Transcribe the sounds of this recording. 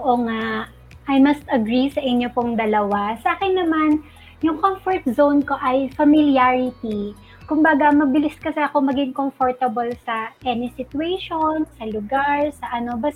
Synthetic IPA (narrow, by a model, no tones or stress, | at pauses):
oʔoŋaʔʔ | ʔɐjmɐst̪ɐɡɾisɐʔɪɲjopʊŋd̪ɐlɐwasɐʔaːkɪnːɐman | jʊŋkomfoɹt̪̚zownko̞ʔɐjfɐmɪljaɹɪt̪i | kʊmbaːɡɐmɐbɪlɪskɐsɛɐko̞mɐɡɪŋkomfoɹt̪ɐbolsɐʔɛnɪsɪt̪ʊejʃonsɐlʊɡaɹsɐʔɐno̞bɐs